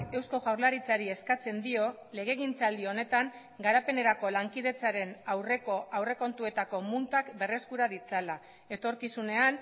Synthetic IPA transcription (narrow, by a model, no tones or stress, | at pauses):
e̞wsko̞ɣawɾlaɾit͡saɾie̞skat͡se̞nd̪io̞ | le̞ɣ̞e̞ɣint͡sald̪io̞ne̞t̪aŋ | ɡaɾape̞ne̞ɾako̞laŋkið̞e̞t͡saɾe̞nawre̞ko̞ʔawre̞ko̞nt̪ue̞t̪ako̞munt̪akbe̞re̞skuɾað̞it͡sala | e̞t̪o̞ɾkisune̞an